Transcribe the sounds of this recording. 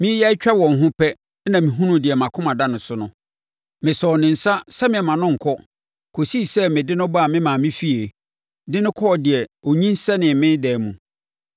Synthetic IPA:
mɪ̃˦jɛ˦ɪ˦t͡ɕᶣa˦wɔ̃˨n̩˨ɦʊ̃˦pʰɛ˦ | nã˨mĩ˨ɦũ˦nũ˨˦dɪ˨ɛ˨mã˨kʰʊ˦mã˨da˦nʊ̃˨sʊ˦nʊ̃˦ | mɪ̃˨sɔ˨nɪ̃˨n̩˨sa˦sɛ˦mɪ̃˨ɛ˨mã˨nʊ̃˦ŋ̩˨kʰɔ˦ | kʰo˨si˦˨sɛ˦mɪ̃˨dɪ˦nʊ̃˦ba˦˨mɪ̃˦mãː˨mɪ̃˦fi˦e˨ | dɪ˦nʊ̃˦kʰɔ˦ɔ˨dɪ˨ɛ˨o˨ɲĩ˦n˦sɛ˦nɪ̃˨mɪ̃˦n˦dɛː˨mũ˨

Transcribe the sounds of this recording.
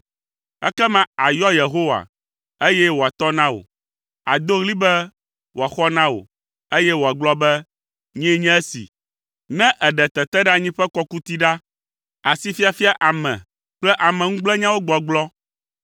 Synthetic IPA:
ɛ̰˦kɛ˦mã˦a˨jɔ˦je˨ɦo˦wa̰˨ | e˦jɛ˦wo˨a˨t̪ɔ˦nã˦wo̰˨ | a̰˨d̪o˦ɣli˦bɛ˦ | wo˨a˨xɔ˦nã˦wo̰˨ | e˦jɛ˦wo˨a˨ɡ͡blɔ˦bɛ˦ | ɲɛ̃˦ɲɛ̃˦ɛ˦sḭ˨ | nɛ̃˦ʔɛ˨ɖɛ˨t̪ɛ˨t̪ɛ˦ɖa˦ɲĩ˦ɸɛ˦kɔ˦ku˦t̪i˦ɖa˦ | a˨si˦fi˦a˨fi˦a˦ʔa˨mɛ̰̃˨ | k͡plɛ˦ʔa˨mɛ̃˨ŋũ˦ɡ͡blɛ˦ɲã˦wo˦ɡ͡bɔ˨ɡ͡blɔ˦

